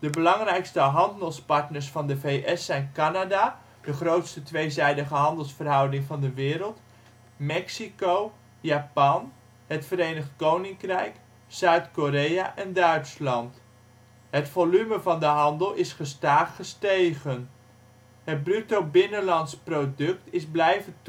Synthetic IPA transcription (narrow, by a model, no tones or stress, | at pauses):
d̥əbəlɑŋrɛjkstəɦɑndəlˠspɑɹtnəɹsfɑndəvejʔɛsɛjnkanada | d̥əχrowtstətʋejzɛjdəχəɦɑndəlˠsfərɦɑwdɪŋvɑndəʋɪːɾəlˠt | mɛksikow | jaːpɑn | ɦətfəɾejnəχtkownɪŋkrɛjk | sœɥtkoɾejaʔɛndœɥtslɑnt | ɦətfolyməvɑndəɦɑndəlˠɪsχəstaːχəstejχən | ɦət̚brytowbɪnənlɑntsprodɵk̚tɪzblɛjvənt